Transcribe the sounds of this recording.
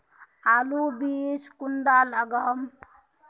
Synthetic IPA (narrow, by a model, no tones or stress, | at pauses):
alubiskunɖaləɡəm